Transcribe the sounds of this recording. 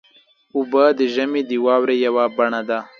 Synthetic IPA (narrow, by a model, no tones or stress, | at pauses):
ubad̪əʒəmid̪iwɑːwɾejawabɐɳad̪a